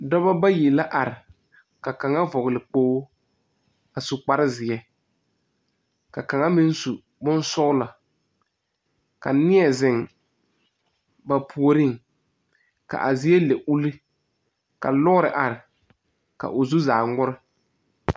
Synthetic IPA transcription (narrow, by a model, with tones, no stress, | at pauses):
dɔ˦ba˦ba˦jɪ˨la˦ʔa˨ɾɪ˨ | ka˨ka˨ŋa˦vɔ˨ɣlɪ˨k͡poː˦ | a˨su˨k͡pa˦ɾɪ˦zɪ˨ɛ˦ | ka˨ka˨ŋa˦mɪ˦n˦su˨ | bʊ˦n˦sʊ˦ɣla˨ | ka˨nɪ˦ɛ˨zɪ˨ŋ | ba˨pʰu˨o˨ɾi˦ŋ | ka̰˨ʔa˨zɪ˦ɛ˦lɛ˨ʔu˦li˦ | ka̰˨lɔ˦ɣʊ˦ɾɪ˨ʔa˨ɾɪ˨ | ka̰˨ʔʊ˨zu˦zaː˨ŋʊ˦ɾɪ˦